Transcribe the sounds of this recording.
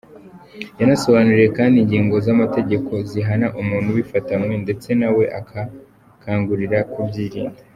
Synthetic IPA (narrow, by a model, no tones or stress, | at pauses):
janaso̞βanuɾeje̞kaːndiːɲɟiːŋɡo̞zamate̞ɟe̞kʰo̞ziɦanaʔumuːn̥huwifatamŋwe̞nde̞t͡se̞nawe̞ʔakʰa | kʰaːŋɡuɾiɾakubɟiːɾiːnde